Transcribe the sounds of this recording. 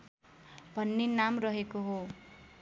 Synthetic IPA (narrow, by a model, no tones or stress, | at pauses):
bʱʌnːenamrʌɦekoɦo